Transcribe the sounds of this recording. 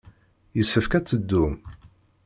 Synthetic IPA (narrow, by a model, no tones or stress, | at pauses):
jəsːəfkæt͡sːəd̪ːu